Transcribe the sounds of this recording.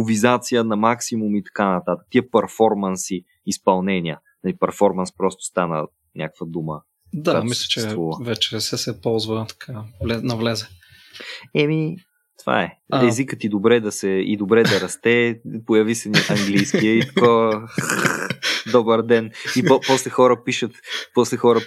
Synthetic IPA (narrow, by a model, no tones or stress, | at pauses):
pʊvizat̪sijənɐmaksimumit̪ɐ̥kanɐt̪at̪ə̥k̚t̪iəpəɾfɔɾmɐnsiː | spɐlˠnɛniə | nɐlipɛɾfɔɾmɐnspɾɔst̪ʊ̥st̪anə̰ | nʲʔa̰kəkvəd̪umə̰ | d̪aamislʲə̥t͡ʃɛvuvəvɛt͡ʃɛsɛsɛpɔlˠzvət̪ɐ̥kʰavlɛnɐvlɛzɛ | ɛmi | t̪va̰ɛɛzikət̪id̪obɾɛd̪ɐsɛḭd̪obɾɛd̪ɐɾɐst̪ɛpojɐvisɛniʔɐŋɡlijskiɛit̪ɐkɔvə | d̪ɔbəɾd̪ɛnipɔslɛxɔɾəpiʃət̪pɔslɛxɔɾə